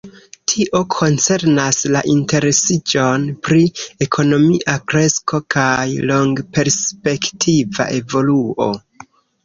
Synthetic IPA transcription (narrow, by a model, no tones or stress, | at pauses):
tʰiʔo̞kʰo̞nt͡se̞ɾnasla̰ʔinte̞ɾe̞sid͡ʒo̞npɾie̞kʰo̞no̞miʔakɾe̞sko̞kajlo̞ŋɡpe̞ɾspe̞ktʰiva̰ʔe̞vo̞luo̞̰